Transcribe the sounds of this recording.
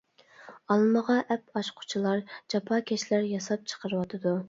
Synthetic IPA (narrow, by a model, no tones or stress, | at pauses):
ɑlˠməʁɑʔɛpɑʃqʰʊ̥t͡ʃʰilˠɑɾd͡ʒɑpʰɑkʲʰɛʃlæɾjɑsɑp̚t͡ʃʰə̥qʰəɾɨwɑt̪ʰɨd̪u